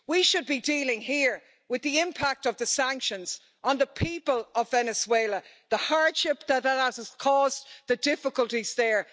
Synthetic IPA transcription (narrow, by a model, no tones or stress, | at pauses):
wiʃəd̚bidiːlɪ̃ŋiɹ | wɪðiɪ̃mpʰak̚tʌvðəsæ̃ŋkʃə̃nz̥ | ə̃nðəpʰipəlʌvvɛnɨzweɪlə | ðəhaɹd̥ʃɪp̚ðət̚əzz̥kʰɔːzðədɪfɪkəlˠtizðə˞